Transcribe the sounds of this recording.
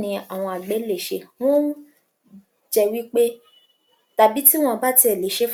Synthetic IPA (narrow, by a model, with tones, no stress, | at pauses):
nĩ˧a˨w̃ɔ̃˧a˨ɡ͡bɛ˨˦le˦˨ʃe˧w̃ɔ̃˦nũ˦ | d͡ʒɛ˦˨wi˦k͡pe˦ | ta˨bi˨˦ti˦w̃ɔ̃˦˨˧ba˦ti˧ɛ˨le˨˦ʃe˧˦f